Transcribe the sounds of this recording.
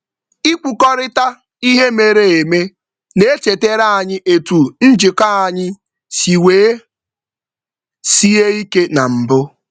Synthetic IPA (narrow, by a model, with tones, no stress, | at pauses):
i˦k͡pu˨kɔ˦ɾɪ˦ta˦ | i˦ɦe˦me˨ɾe˨e˨me˦ | ne˦e˦t͡ʃe˨te˦ɾa˦a˨ɲɪ˦ʔe˨tu˨n̩˦d͡ʒɪ˨ka˦a˨ɲɪ˦ | si˨weː˨˦ | si˦e˦i˦ke˦na˨m̩˨bʊ˦